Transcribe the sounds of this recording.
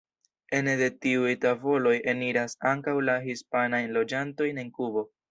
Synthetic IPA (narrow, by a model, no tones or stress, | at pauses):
e̞nede̞tiujtavo̞lo̞je̞niɾasaŋkawlaɦispanajnlo̞d͡ʒanto̞jne̞nkubo̞